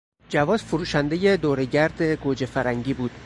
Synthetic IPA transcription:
d͡ʒævɒːzfoɾuːʃænd̪e̞jed̪oːɾeɟæɾd̪eɡod͡ʒefæɾæŋɟiːbuːd̪̥

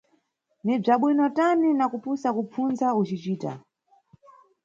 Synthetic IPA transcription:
nib͡ʐaɓwinɔtaninakupusakup͡funzaut͡ʃit͡ʃiːta̰

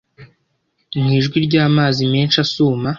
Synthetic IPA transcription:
mŋiːʒɡwiɾɟaːmaːzimeːnʃasuːma

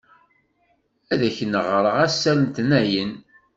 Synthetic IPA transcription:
æðæçnəʁɾˤəʁæsːælənt̪næjən

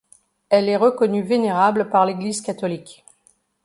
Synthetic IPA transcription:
ɛlɛʁəkɔnyveneʁabləpaʁleɡlizkat̪ɔlik

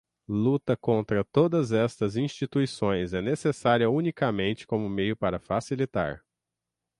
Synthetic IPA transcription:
lut̪ɐkõnt̪ɾɐt̪od̪ɐzɛst̪ɐzĩst͡ʃit̪uisõj̃zɛnesesaɾiɐunikɐmẽnt͡ʃɪ̥kõmʊmejʊpaɾɐfasilit̪a̰ɾ

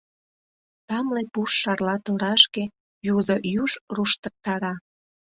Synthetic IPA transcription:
t̪ɑmlepuʃːɑrlɑt̪oɾɑʃke | juzojuʒruʃt̪ək̚t̪ɑɾɑ

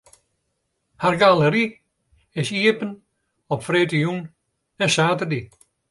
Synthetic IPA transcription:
harɡaləɾi | ɪsiəpən | ɔpfreːtəjun | ɛnsaːtərdi

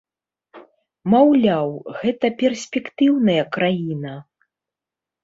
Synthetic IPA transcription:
mawlʲawɣɛt̪ɐpʲɛrsʲpʲɛkt̪ɨwnɐjɐkɾajinɐ

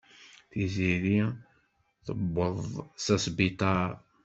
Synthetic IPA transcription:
θiziɾi | θəbːəðˤsæsbit̪ˤɑ

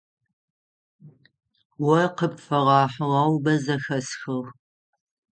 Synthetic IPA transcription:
wɐqəpfɐʁɑːħəʁɑwbɐzɐxɐsxɨʁ

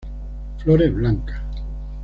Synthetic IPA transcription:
floɾeβlaŋkḁ

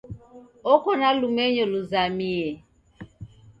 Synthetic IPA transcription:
ɔkɔnalumɛɲɔluzamiɛ

